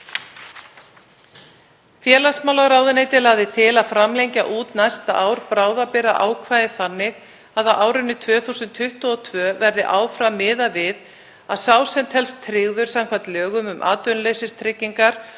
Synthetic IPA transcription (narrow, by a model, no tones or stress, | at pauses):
fjɛːlasmawlaɣɾaːwðɪneːjt̪ɪlaɣðɪt̪ʰɪlaðfɾamlejɲcaʔuːt̪najst̪aʔaːwɾpɾaːwðapɪɾa̰ʔa̰ːwkʰvaːjðɪθanːɪɣ | aðawʔaːwɾɪnːʏt̪ʰvœːθuwsʏnt̪ʰːʏht̪ɔɔt̪ʰvœːvɛɾðɪʔaːwfɾamɪːðavɪð | aðsaːwsɛmt̪hɛlst̪ʰɾɪɣðʏɾ̥sawmkʰvat̪lœːɣʏmʏmʔa̰ːt̪œnlejsɪst̪ʰɾɪcːiŋkaɾ̥